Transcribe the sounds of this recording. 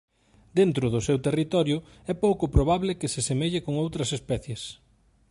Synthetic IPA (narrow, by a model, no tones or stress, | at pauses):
d̪̥ent̪ɾʊðʊsewt̪erit̪ɔɾjʊ | ɛpowkʊpɾoβ̞aβlɪkɪsesemeʎɪkoŋowt̪ɾɐsespɛθjes